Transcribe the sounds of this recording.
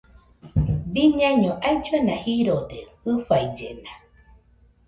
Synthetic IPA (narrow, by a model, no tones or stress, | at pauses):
biɲãɲõʔajd͡ʒuenahiɾod̪ehɨɸajd͡ʒḛna